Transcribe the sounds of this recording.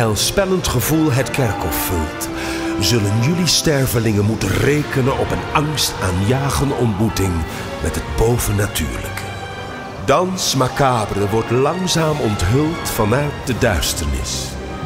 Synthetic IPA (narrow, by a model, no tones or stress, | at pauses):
ɛlˠspɛləntχəvulˠɦətkɛrkɔfːɪlˠt | zɵlənjɵlistɛɹvəlɪŋənmutənrejkənənɔpənɑŋstaːnjaːχənɔntmutɪŋ | mʔɛtɦəd̚bowvənaty̰ːɹlə̰kə | dɑnsmakaːbərəʋɔɹtlɑŋzaːmɔntɦɵlˠtfɑnaːt̚dədœɥstəɹnɪ̰s